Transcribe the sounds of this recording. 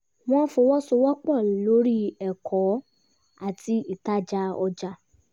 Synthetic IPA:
w̃ɔ̃˦fo˧wɔ˦so˧wɔ˦k͡pɔ˦˨lo˨˦ɾi˦ɛ˨kʰɔ˨˦ | a˦˨tʰi˧˦i˦˨ta˦d͡ʒa˧ɔ˧d͡ʒa˧˨

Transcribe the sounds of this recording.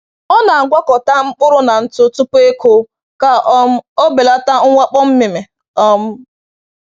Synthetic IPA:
ɔ˦na˨ɡʷa˦kɔ˨ta˦ŋ͡m̩˦k͡pʊ˦ɾʊ˦na˨n̩˦tʊ˦tʊ˦pʊ˦e˦ko˦ | ka˦o˦be˨la˦ta˦ŋ̩˦ŋʷa˦k͡pɔ˦m̩˦mɪ˨me˨ | ɔ˦m̩˦

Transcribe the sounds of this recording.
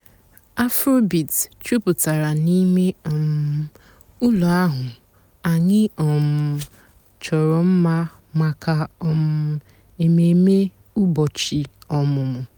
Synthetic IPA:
a˦fɾo˦bi˨tt͡ʃu˦pʊ˨ta˨ɾa˨ni˦me˦ɔ˨m˨ | ʊ˦lu˨a˦ɦʊ˨ | a˨ɲɪ˦ɔ˨mʊ˨ | t͡ʃɔ˨ɾɔ˨m̩˦ma˦ | ma˨ka˨ɔ˦mʊ˦ | e˨me˨me˦ | ʊ˦bɔ˨t͡ʃi˨ɔ˨mʊ˨mʊ˨

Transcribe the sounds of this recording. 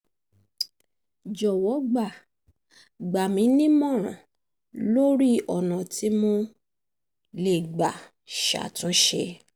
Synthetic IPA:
d͡ʒɔ˨wɔ˨˦ɡ͡ba˦˨ | ɡ͡ba˨mĩ˨˦nĩ˦mɔ̃˦˨ɾ̃ã̰˨ | lo˦ɾi˦ɔ˨nã˨ti˨˦mo˧ | le˨ɡ͡ba˨ | ʃa̰˨tũ˨˦ʃḛ˧

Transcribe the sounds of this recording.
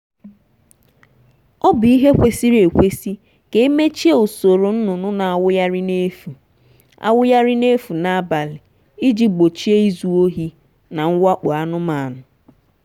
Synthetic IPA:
ɔ˦bi˦ɦe˦kʷe˦si˦ɾe˨kʷe˦si˦ | ke˨˦e˦me˦t͡ʃi˦e˦˨o˨so˨ɾo˨n̩˦nʊ˨nʊ˦na˨a˨wʊ˦ja˦ɾɪ˦ne˦fu˨ | a̰˨wʊ˦ja˦ɾɪ˦ne˦fu˨na˦˨a˦ba˨lɪ˨ | i˦d͡ʒi˦ɡ͡bo˨t͡ʃi˦e˦i˦zu˨o˦ɦi˦ | na˨ŋ̩˦wa˦k͡pɔ˨a˦nʊ˦ma˨nʊ˨

